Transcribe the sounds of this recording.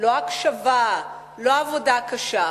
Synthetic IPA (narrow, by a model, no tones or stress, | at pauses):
loakʃɐva | loavod̪akɐʃa